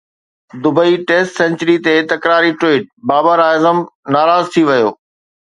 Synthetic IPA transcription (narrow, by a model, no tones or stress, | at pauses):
d̪ʊbəiʈeːsʈsɛ̃nt͡ɕəɾit̪et̪ɐkɾaːɾiʈoːʈ̚baːbaɾaːjzəmnaːɾaːzt̪ʰiʋɐjo̰ː